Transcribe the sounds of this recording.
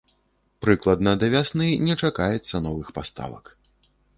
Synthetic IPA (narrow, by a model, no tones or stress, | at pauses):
pɾɨklˠɐd̪nɐd̪ɐvʲasnɨnʲɛt͡ʂakajɛt̪sːɐnɔvɨxpast̪a̰vɐ̰k